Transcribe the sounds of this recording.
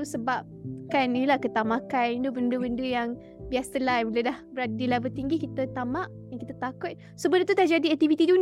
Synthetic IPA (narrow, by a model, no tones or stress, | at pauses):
səbap̚kaniilahkət̪amakanind̪ubəndəbəndəjaŋ | biasəlajbuladahbəɾadilabət̪iŋɡikit̪ət̪amaʔ | jaŋkit̪ət̪akʊt̪̚ | səbənət̪ut̪aʔd͡ʒadiak̚t̪ifit̪idun